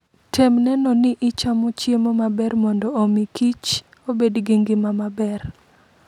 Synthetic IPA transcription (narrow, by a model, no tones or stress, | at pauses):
tʰemnɛnɔnɪʔɪt͡ʃamot͡ʃjemomabɛrmɔndɔomikit͡ʃ | obedɡiŋɡɪmamabɛr